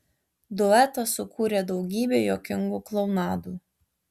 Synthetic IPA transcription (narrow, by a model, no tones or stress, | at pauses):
d̪ʊɛt̪ɐsʊkuːɾʲeːd̪ɒʊɡʲiːbʲeːjoːkʲɪŋɡuːklˠɔʊnɑːd̪uː